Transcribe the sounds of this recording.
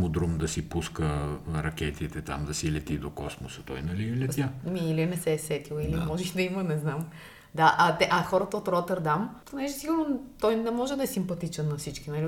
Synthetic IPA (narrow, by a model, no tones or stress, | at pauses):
mʊd̪ɾumd̪ɐsipuskəɾɐkʲɛt̪it̪ɛt̪a̰md̪ɐsilɛt̪id̪okɔsmosət̪ɔ̰jnɛlilɛt̪amiilinɛsɛːsɛt̪ilˠilimɔʒɛxd̪ɐimənɛznam | d̪aʔɐt̪ɛʔɐxɔɾət̪əot̪ɾɔt̪ɛɾd̪amponɛʒɛsiɡʊɾnot̪ɔjnɛmɔʒɛd̪ɐɛsimpɐt̪it͡ʃɛnːɐfsit͡ʃkinɐli